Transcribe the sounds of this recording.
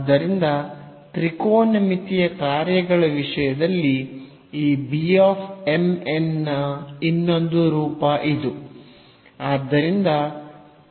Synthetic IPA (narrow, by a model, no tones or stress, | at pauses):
d̪ːɐɾind̪ɐ | t̪ɾikoːnɐmit̪ijɐkaːɾjɐɡɐɭɐʋiʂɐjɐd̪ɐlːi | iːbiaːfʰemenːɐinːo̞nd̪uɾuːpɐʔid̪u | aːd̪ːɐɾind̪ɐ